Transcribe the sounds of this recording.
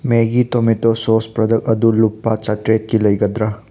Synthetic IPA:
meɡit̪omitosospɾɐd̪ɐkɐd̪ulupːat͡ʃɐtɾet̚kilɐjɡɐd̪ɾa

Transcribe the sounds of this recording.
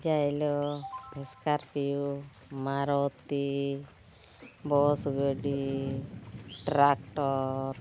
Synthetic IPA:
d͡ʒajlɔbʱɛskaɾpiju | maɾɔt̪i | bɔsɡəɖi | ʈɾakʈɔɾ

